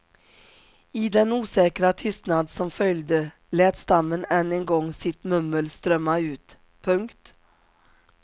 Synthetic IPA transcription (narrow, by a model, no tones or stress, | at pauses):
iːd̪ɛnuːsɛːkɾat̪ʰʏst̪nad̪sɔmfœld̪ə | leːt̪st̪amːənɛnːənɡɔŋːsɪt̪mɵməlst̪ɾœmːaʉːt̪ | pʰɵŋkt̪